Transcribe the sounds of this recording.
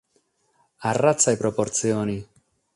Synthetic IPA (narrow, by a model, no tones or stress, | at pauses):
arat̪sːajpɾopoɾt̪sjoːni